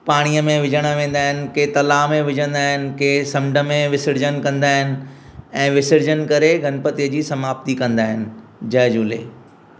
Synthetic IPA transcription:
paːɽ̃ijəmẽʋɪd͡ʑʱəɽ̃ə̆ʋẽːn̆d̪aːɦɪnɪ̆ket̪ɐlaːmẽʋɪd͡ʑə̃nd̪aːɦɪnɪ̆keːsɐ̃mɖʱə̆mẽʋɪsɪɾd͡ʑənkɐ̃nd̪aːɦɪnɪ̆ɛ̃ːʋɪsɪɾd͡ʑənkɐɾeɡʱɐnpət̪ijəd͡ʑiːsɐmaːb̚t̪ikɐ̃nd̪aːɦɪnɪ̆d͡ʑɐɦɪd͡ʑuːlḛː

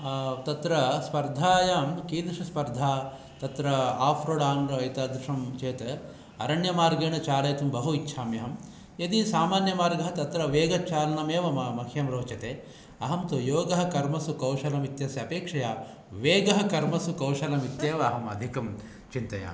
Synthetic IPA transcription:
t̪ɐt̪ɾɐspɐɾd̪ʱaːjaːmkiːnɐʂɐspɐɾd̪ʱaː | t̪ɐt̪ɾɐaːfʰɾoɽaːnɾɐɐjt̪aːd̪ɾuʂɐmt͡ʃeːt̪ɐ | ɐɾɐɳjɐmaːɾɡeːɳɐt͡ʃaːleːt̪umbɐɦuitːʃʰaːmjɐɦɐm | jɐd̪isaːmaːnjɐmaːɾɡɐɦɐt̪ɐt̪ɾɐʋeːɡɐt͡ʃaːlɐnɐmeːʋɐmɐmɐkʰjɐmɾoːt͡ʃɐt̪eː | ɐɦɐmt̪ojoːɡɐɦɐkɐɾmɐsukɐwʂɐlɐmit̪jɐsjɐɐpeːkʂɐjaː | ʋeːɡɐɦɐkɐɾmɐsukɐwʂɐlɐmit̪jeːʋɐɐɦɐmɐd̪ʱikɐm | t͡ʃint̪ɐja̰ːm

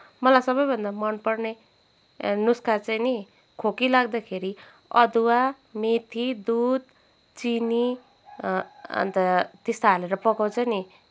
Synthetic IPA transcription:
mʌlajsʌbʌjbʱʌnd̪amʌnpʌrne | nuskat͡sajni | kʰokilaɡd̪akʰeɾi | ʌ̰d̪uwa | met̪ʰid̪ud̪̚ | t͡sini | ʌ̰nt̪ʌt̪ist̪aːleɾʌpʌkawt͡sʰʌni

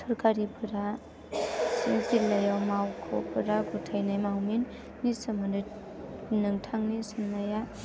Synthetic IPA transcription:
sɔɾkaɾipʰɯɾa | sinsilajawmawkʰɔ̰pʰɯɾaɡutʰajnajmawminː | isɯmɯnɯ | nɯŋtʰaŋnisinlaja

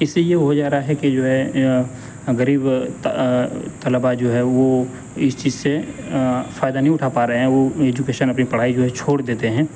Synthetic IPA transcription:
ɪsejeɦod͡ʒaːɾaaɦɛkid͡ʒoːɦɛ | ɣəɾiːb | t̪əlbad͡ʒoːɦɛʋo | ɪst͡ʃiːzse | faːjd̪anɐɦĩʊʈʰapaːɾɐɦɛ̃ʋoeːd͡ʒʊkeːʃənɐpnipɐɽ̤aːid͡ʒoːɦɛt͡ʃʰoːɽd̪eːt̪eɦɛ̃ː

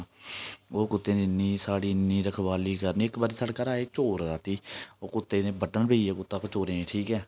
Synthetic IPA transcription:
oːkʊt̪ːeːnẽːnːiːsaːɽiːnĩːɾəkʰʋaːliːkəɾniːɪkbaːɾiːsəɽkaːɾaːeːt͡ʃoːɾɾaːt̪iːoːkʊt̪ːeːnẽːbəʈənbeːieːkʊt̪ːaːkot͡ʃoːɾẽːeːʈʰiːkɛː

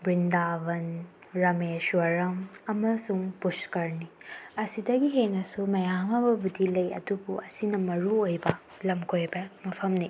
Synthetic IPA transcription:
bɾindaβɐn | ɾɐmesuɐɾɐmɐmɐsuŋpuskɐɾniɐsidɐɡiɦenɐsumɐjamabɐbudilɐjɐ̰dubuʔɐsinɐmɐɾuojbɐ | lɐmkʰojbɐmɐpʰɐmni

